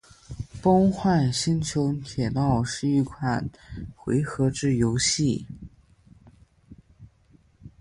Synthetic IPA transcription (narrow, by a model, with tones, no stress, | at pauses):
po˥ŋxwa˥˩nɕi˥nt͡ɕʰjo˧˥ʊt̪ʰjɛ˨˩t̪ɑ˥˧ʊʂɻ̩˥˧i˥˩kʰwa˨˩nxwe˧˥ɪxɤ˧˥ʈ͡ʂɻ̩˥˩jo˧˥ʊɕi˥˩